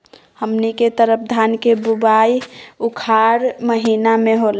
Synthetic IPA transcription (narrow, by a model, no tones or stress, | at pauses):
həmniket̪əɾəp̚ʰd̪ʱankebubaiukʰaɾməɦiːnamẽɦol